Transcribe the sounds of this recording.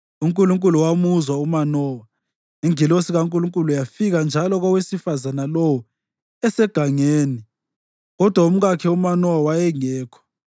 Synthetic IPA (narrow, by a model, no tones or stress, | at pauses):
uŋkʼuluŋkʼuluwamuzwaumanɔːwa | iŋilosiɣaŋkʼuluŋkʼulujafiɣand͡ʒʱalɔɣɔwesifazanalɔwɔ | ɛsɛɡ̥ʱaŋeːni | ɣɔd̥ʱwaum̩ɣakʰɛumanɔwawajɛŋɛːkʰɔ̥